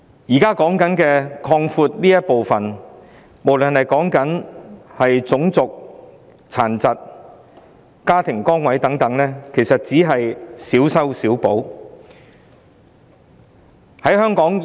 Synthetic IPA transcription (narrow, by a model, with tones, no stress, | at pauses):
jiː˨˩kaː˥kɔː˨˥ŋkɐ˨˥nkɛː˧kʰɔː˧ŋfuː˧t̚niː˥jɐ˥t̚po˨wfɐ˨n | mo˨˩wlɵ˨nhɐ˨jkɔː˨˥ŋkɐ˨˥nhɐ˨jt͡sʊ˨˥ŋt͡sʊ˨k̚ | t͡sʰaː˨˩nt͡sɐ˨t̚ | kaː˥t̪ʰɪ˨˩ŋkɔː˥ŋwɐ˨˥jt̪ɐ˨˥ŋt̪ɐ˨˥ŋlɛː˥kʰe˨˩jsɐ˨t̚t͡siː˨˥ɦɐ˨jsiː˨˥wsɐ˥wsiː˨˥wpo˨˥w | hɐ˨˥jɦœː˥ŋkɔː˨˥ŋ